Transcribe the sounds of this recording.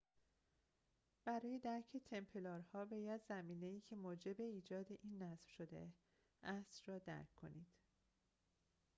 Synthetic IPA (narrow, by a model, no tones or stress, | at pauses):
b̥æɾɒːje̞d̪æɾcʰe̞t̪ʰe̞mpʰe̞lɒːɾhɒːbɒːjæd̪zæmiːne̞iːcʰe̞moːd͡ʒe̞be̞iːd͡ʒɒːd̪e̞ʔiːnːæsv̥ʃo̞d̪e̞̰ | ʔæsrɒːd̪æ̰ɾkʰːo̞̰niːd̪̥